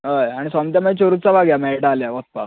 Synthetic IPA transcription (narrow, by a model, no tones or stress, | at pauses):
ɦəjaɽ̃isɔmt̪jamət͡ɕoɾut͡sabaɡjameʈaːljaʋɔt̪̚pa̰